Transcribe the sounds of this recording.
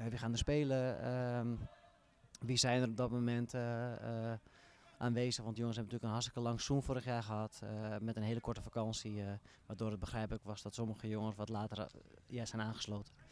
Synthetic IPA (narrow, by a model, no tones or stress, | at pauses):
aʋixaːndəspeːlə | ʋisɛjnərop̚dɔt̚momɛntə | ʔaːnʋeːzəxʋɔndəjoŋənsɦɛbəntyːləkənɦastəkəlɑŋsunfoːɾəxjaːxəɦatmɛtənɦeːləkʰɔɹtəfakɑnsiʋaːdoːɾət̚bəxrɛjpəkʋɔsdɔtsoməɣəjoŋənsʋɔtlaːtərjaːsɛjnaːnχə̥sloːtən